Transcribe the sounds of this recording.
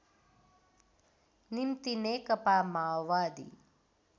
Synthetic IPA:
nimt̪ineːkɐpaːmaːʋaːd̪ḭ

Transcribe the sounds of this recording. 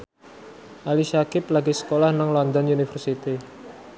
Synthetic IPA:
ʔaliʃakɪp̚laɡisə̥kolahnaŋlɔnd̪ɔnunifərsit̪i

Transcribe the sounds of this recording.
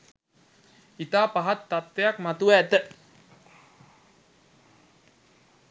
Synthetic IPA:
it̪apaɦat̪ːat̪ːeak̚mat̪uɛt̪əʔ

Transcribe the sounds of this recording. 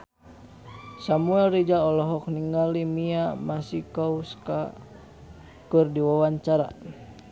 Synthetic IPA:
samuɛlrid͡ʒaɔlɔɦɔk̚niŋɡalimiamasikauska̰ | kɨrdiwawaɲt͡ʃaɾa̰

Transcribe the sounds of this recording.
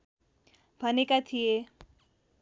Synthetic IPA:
bʱʌnekat̪ʰije

